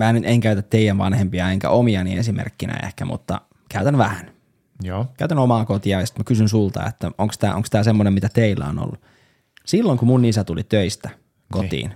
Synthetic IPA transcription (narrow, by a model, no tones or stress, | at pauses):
mæːnyt̪eŋkæyt̪æt̪teijænʋɑ̰nhempiɑeŋkæ̰ʔomiɑniesimḛrkːinæ̰ḛhkæmṵt̪ːɑ̰ | kæyt̪ænʋæhæn | jkæyt̪ænomɑːkot̪iɑjɑsi̥t̪mækysynsult̪ɑ̰ḛt̪ːæoŋkst̪æ̰ːʔoŋkst̪æːsemːonemmit̪æt̪eilːæ̰ono̰lːu | silːoŋkumunisæt̪ulit̪øist̪æ | kot̪ḭːn